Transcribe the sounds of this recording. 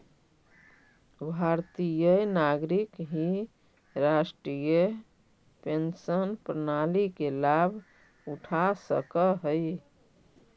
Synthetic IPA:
bʱaɾt̪ijənaɡɾikɦi | ɾasʈɾijə | pensənpɾənalikelabʱ | uʈʰasə̰kəɦəj

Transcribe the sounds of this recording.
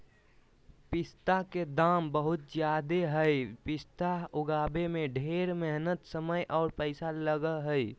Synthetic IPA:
pɪst̪aked̪aːmbəɦʊt̪̚d͡ʒjaːd̪eɦəjpɪst̪aʊɡaːbemẽɖʱeːɾməɦnət̪səməjʔɔːɾpəɪsaləɡəɦəj

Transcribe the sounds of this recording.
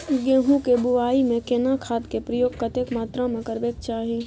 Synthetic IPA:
ɡẽːɦũkebʊʋaːimẽkeːnakʰaːt̪kepɾəjoːɡ̚kət̪ekmaːt̪ɾãmẽkəɾbeːkt͡ʃaːɦe

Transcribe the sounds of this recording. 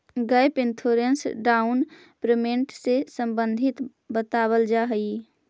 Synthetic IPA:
ɡəjpent̪ʰoɾensɖaun | pɾəmeɳʈsesəmbə̃nd̪ʱit̪ | bət̪aβəld͡ʒaɦəj

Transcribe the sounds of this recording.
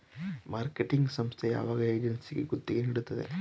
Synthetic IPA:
maːɾkeʈiŋɡsɐmst̪ʰeja̰ːʋaːɡɐeːd͡ʒensiɡeɡot̪ːiɡeniɽut̪ːɐd̪ḛ

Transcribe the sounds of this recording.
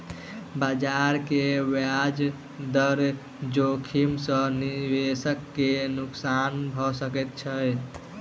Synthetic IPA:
bad͡ʒaɾkewjad͡ʒ | d̪əɾ | d͡ʒokʰimsə̃nibesəkːenuksanbʱɔsəkɛt̪̚t͡ʃʰəj

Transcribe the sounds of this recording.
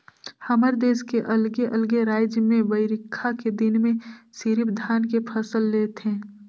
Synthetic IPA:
həməɾd̪eːskeʔəlɡeʔəlɡeɾaːd͡ʒjəmẽʋəɪɾɪkʰːaked̪ɪnmẽsiɾɪpd̪ʱaːnkepʰəsəlːeːt̪ɦẽː

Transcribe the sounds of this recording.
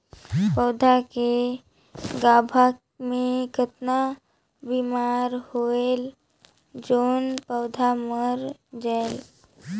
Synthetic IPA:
pəʊd̪ʱake | ɡaːbʱak | mẽkət̪na | biːmaːɾhoel | d͡ʒoːnpəʊd̪ʱaməɾd͡ʒael

